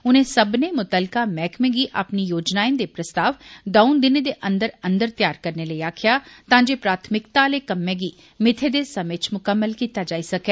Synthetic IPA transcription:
ʊnẽːsəbneːmʊt̪əlkamɛːkʰmẽːɡiːʔa̰ːpnijoːd͡ʒnaːẽnd̪eːpɾəst̪aːʋd̪əʊ̃nd̪ɪned̪eːʔə̃nd̪əɾə̃nd̪əɾt̪jaːɾkəɾneːləiaːkʰɪjaːt̪ãːd͡ʒeːpɾaːt̪ʰmɪkt̪aleːkəmːẽːɡiː | mɪt̪ʰed̪eːsəmet͡ʃmʊkəmːəlkiːt̪aːd͡ʒaːisəkɛː

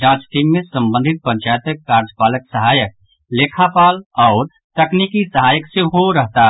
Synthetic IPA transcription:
d͡ʒãːt͡ʃʈ̪ʰiːmːẽsə̃mbə̃nd̪ʱɪt̪̚pə̃ɲt͡ʃaːjt̪əkːaɾd͡ʒəpaːləksəɦaːjək̚ | leːkʰapaːlɔːɾ | t̪ɐknikisəɦaːjəksẽɦoɾəɦt̪a

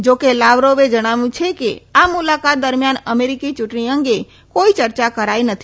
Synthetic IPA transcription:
d͡ʒokelaʋɾoʋed͡ʒəɽ̃aʋũt͡ʃʰekḛamulakat̪̚d̪əɾmijanəmeɾikit͡ʃʊʈɳiə̃ŋɡe | koit͡ʃəɾt͡ʃakəɾainət̪ʰi

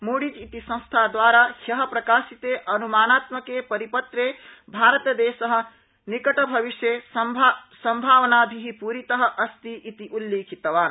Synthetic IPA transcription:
muɽid͡ʒit̪isɐ̃st̪ʰad̪ʋaːɾahjɐɦɐ̆pɾɐkaːsit̪eʔɐnumaːnaːt̪məkepɐɾipɐt̪ɾebʱaːɾət̪jəd̪eːsɐɦə̆ | nikɐʈɐbʱɐʋiʃje | sɐmbʱaːʋnabʱiɦipuɾit̪əɦə̆ʔɐst̪iʔit̪iʔulːjeːkʰit̪ɐʋaːn

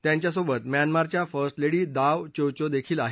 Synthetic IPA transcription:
t̪jãɲt͡ɕjasobət̪mjanmaɾt͡ɕjafəɾsʈleɽiːd̪aʋt͡ɕowt͡ɕod̪ekʰiːlaɦe

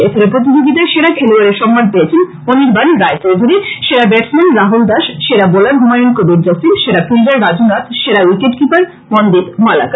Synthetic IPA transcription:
etʰɔɾepɾot̪̬id͡ʑoɡit̪̬aʃeɾakʰeluaɾeɾʃɔmːanpeet͡ɕʰen | oniɾbanɾaet͡ɕowd̪ʱuɾiʃeɾabɛʈsmanɾaɦuld̪aʃʃeɾabolaɾɡʱumajonkobiɾd͡ʑasinʃeɾafʰild̪aɾːad͡ʑunat̪ʃeɾawikeʈ̚kipaɾ | mɔnd̪it̪mala̰ka

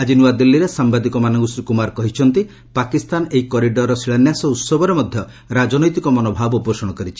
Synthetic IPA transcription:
ad͡ʒinuad̪ilːiɾesambad̪ikɔmanɔŋɡusɾikumaɾkɔɦit͡ʃʰɔnt̪i | pakist̪aneɦikɔɾiɖɔɾːɔsiɭanjasɔut̪sɔbɔɾemɔd̪ʱjɔ | ɾad͡ʒɔnɔjt̪ikɔmɔnɔbʱabuposɔɽ̃ɔkɔɾit͡ʃʰi̥

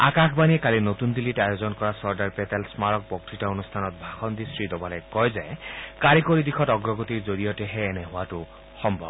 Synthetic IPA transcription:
a̰kakʰbaniekalinot̪und̪ilitajozɔnkɔɹasɔɹdaɹpet̪ɛlsmaɾɔk̚pɔk̚tɾitɔonust̪ʰanɔt̪̚bʱaxɔnd̪isɹid̪ɔbalekɔjzajkaɾikoɾid̪ikʰɔtɔɡɾɔɡot̪iɾd͡ʒoɾiɔteɦeːneɦʊwatu | xɔmbʱɔ̰b

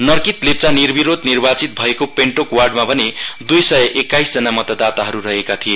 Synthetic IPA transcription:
nʌrkit̪lep̚t͡sanirbiɾod̪nirbat͡sit̪̚bʱʌekopeɳʈokwarɖmabʱʌned̪ujsʌjʌʔekːajsd͡zʌnamʌt̪ʌd̪at̪aɦʌɾurʌɦekat̪ʰije

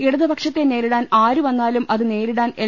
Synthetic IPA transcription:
iɽuðɐbɐkʂɐt̪ːene̞ːɾiɽaːnaːɾuʋɐnːaːlumʔɐðɨne̞ːɾiɽaːne

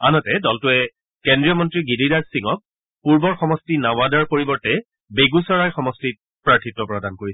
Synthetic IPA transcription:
anɔtɛdɔltʊɛ | kɛndɹijɔmɔntɹiɡididaɹsiŋɔk̚ | puɹbɔɹxɔmɔstinawadaɹpoɹibɔɹtɛ | beɡusɔɹajxɔmɔstit̚ | pɹaɹtʰitːɔpɹɔdankoɹiɛ

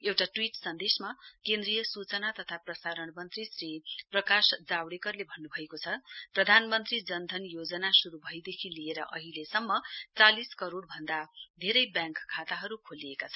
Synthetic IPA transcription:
ewʈaʈwiʈsʌnd̪esmakẽnd̪rijʌsut͡sʌnat̪ʌt̪ʰaprʌsaɾʌɳmʌnt̪risriprʌkasd͡zawɽekʌrlebʱʌnːubʱʌekot͡sʰʌprʌd̪ʱanmʌnt̪rid͡zʌnd̪ʱʌnjod͡zʌnasuɾubʱʌjd̪ekʰilieɾʌ̰ʔʌ̰ɦilesʌmːʌt͡saliskʌɾoɽbʱʌnd̪ad̪ʱeɾʌjbjãŋkkʰːat̪aɦʌɾukʰoliekat͡sʰʌ

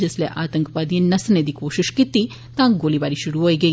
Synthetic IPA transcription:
d͡ʒɐslḛʔaːt̪ɐŋkʰɐpaːd̪ijɐnːɐsɐned̪ikoːʃiʃkit̪ːi | t̪aːŋɡoːlibaːɾiʃuɽuʋojɡe

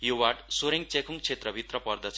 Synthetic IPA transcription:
jowaʈsoɾeŋt͡sekʰuŋt͡sʰet̪rʌbʱit̪rʌpʌrd̪ʌt͡sʰ

